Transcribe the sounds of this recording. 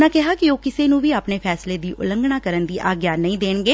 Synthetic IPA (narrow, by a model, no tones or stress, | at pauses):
nãːkɛɦaːkioːkɪseːnũːʋiːaːpneːpʰɛːsleːd̪iːʔʊ̰ləŋɡɽaːkəɾənd̪iːʔaːɡjaːnəĩːd̪eːɳɡeː